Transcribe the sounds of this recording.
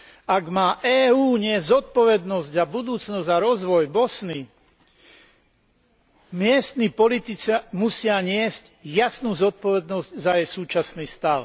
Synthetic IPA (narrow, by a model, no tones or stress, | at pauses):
aɡmaːʔɛːuːɲɪɛzɔt̪̚pɔʋɛd̪nɔzɟabud̪uːt͡snɔzzaɾɔzʋɔjbɔsni | mɪɛst̪nipɔlit̪it͡samusɪaɲɪɛzc | jasnuːzɔt̪̚pɔʋɛd̪nɔzɟzajɛjsuːt͡ʃasniːst̪aʊ